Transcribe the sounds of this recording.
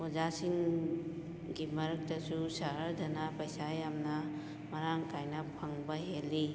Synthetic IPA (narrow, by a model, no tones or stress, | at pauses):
od͡ʒasiŋ | ɡimɐɾɐk̚tɐsusaɦaɾdɐnapɐjsajamnɐ | mɐɾaŋkajnɐpʰɐŋbɐɦelːi